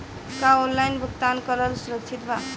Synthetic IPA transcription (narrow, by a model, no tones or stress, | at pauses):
kaonlajnbʱəkt̪ankʌlʌlsuɾək̚t͡ʃʰit̪bʱa